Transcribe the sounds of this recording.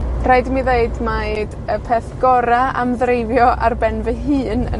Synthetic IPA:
raɨdmiðeɨdmaɨdəpʰɛθɡ̥ɔɾaamðrejvjɔʔarbɛnvəɦɨːnə̰

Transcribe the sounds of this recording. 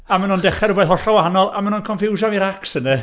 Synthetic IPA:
amanundɛχɛɾʊbɛðhɔɬawaɦanɔlˠa̰manunkʰɔnfɪwʒaviɾaksənɛ

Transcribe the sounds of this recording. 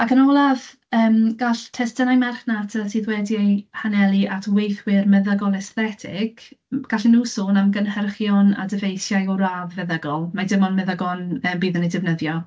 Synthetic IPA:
akʰənɔlˠav | əːmɡ̥aɬtʰɛstənajmɛrχnatʰətʰiðwɛdjejhanɛlˠiʔatʰwejθwɪrmɛðəɡɔlˠɛsθɛtʰɪ̰ɡ̥ɡ̥aɬinuːsoːnamɡənhərχjɔna̰dəvejθjajɔɾavːɛðəɡɔlˠmadɪmɔnmɛðəɡɔnəːmbiːðənidɪvnəðjɔ

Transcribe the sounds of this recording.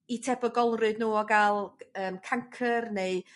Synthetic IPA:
itʰɛbɔɡɔlˠrɨdnuːɔɡalˠəːmkʰaŋkʰərneɨ

